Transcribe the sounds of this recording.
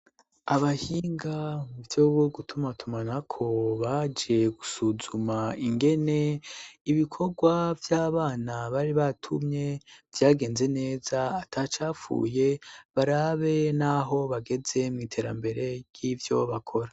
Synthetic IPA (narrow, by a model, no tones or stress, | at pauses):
aβahiːŋɡauvjoːβuɡutʰumatʰumanakʰo̞βad͡ʒie̞ɡ̥usuzumaiŋɡe̞ne̞iβikʰo̞ɡwavjaːβaːnaβaɾiβatʰumɲe̞v̥jaːɡe̞ːnze̞ne̞ːzaːtʰat͡ʃaːfṵːje̞βaɾaβe̞naɦo̞βaɡe̞ze̞mŋiːtʰe̞ːɾa̰mbe̞ɾe̞ɾjivjo̞βakʰo̞ɾa